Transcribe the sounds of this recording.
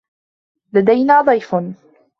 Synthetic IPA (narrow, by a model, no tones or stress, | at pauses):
lad̪ajnaːd̪ˤɑjfn